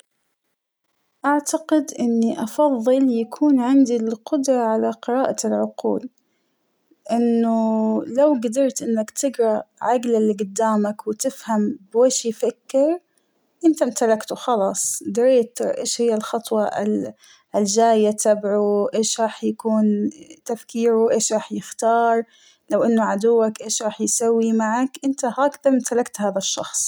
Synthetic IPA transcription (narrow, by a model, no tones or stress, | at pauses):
ʔaʕt̪aqɪd̪ʔɪnːiʔɑfɑðˤːɨljakʰuːnʕɪnd̪ilqʊd̪ɾˤɑʕalaqɨɾɑːʔalʕʊqṵːl | ʔɪnːʊlawɡad̪ɑɾˤt̪ʔɪnːakt̪ɪɡɾˤɑʕaɡlalːiɡʊd̪ːaːmakwɪt̪ɪfhambweːʃifakːɪɾ | ʔɪnt̪amt̪alakt̪ʊxɑlɑːsˤd̪ɪɾeːt̪ʊɾʔḛːʃhɪjːalxɑt̪ˤwɑʔɪ̰l | ɪld͡ʒaːjːat̪abʕuʔeːʃɾˤɑːħjakuːnt̪afkiːɾuʔeːʃɾˤɑːħjɪxt̪ɑːɾˤ | lawʔɪnːʊʕad̪ʊwːakʔeːʃɾˤɑːħjsawːimaʕakʔɪnt̪ahaːkðamt̪alakt̪haːðaʃːɑ̰xsˤ